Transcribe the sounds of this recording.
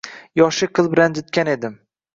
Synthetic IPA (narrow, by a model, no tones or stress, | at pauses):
jɒʃɪqʰɨlˠbɪland͡ʒɪt̪̚kʲane̞d̪ɪm